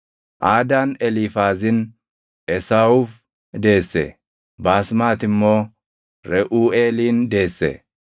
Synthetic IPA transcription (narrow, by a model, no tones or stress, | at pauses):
ʔaːd̪aːnɛlifaːzɪn | ʔɛsawuːf | d̪e̞ːsːɛ̰ | baːsmaːt̪ɪmːo̞ː | ɾɛʔuːeːliːnd̪e̞ːsːɛ̰